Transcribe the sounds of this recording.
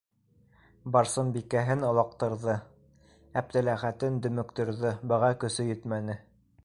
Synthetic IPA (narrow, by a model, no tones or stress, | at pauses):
bɑɾsɤnbikæɦɘnɤ̆lˠɑq̚t̪ɤ̆ɾðɤ | æp̚t̪ælæχæt̪ɘnd̪ɵ̆mɵ̆kt̪ɵ̆ɾðɤbɤ̆ʁɑkɵ̆sɵjɵt̪mænɘ